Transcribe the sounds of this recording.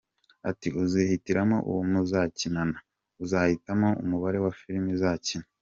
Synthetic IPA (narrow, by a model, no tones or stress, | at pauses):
atiuzihitiɾamo̞̰ʔṵwumuzacinana | uzaːhitamo̞ṵmuβaɾe̞wafiɾimizaːcina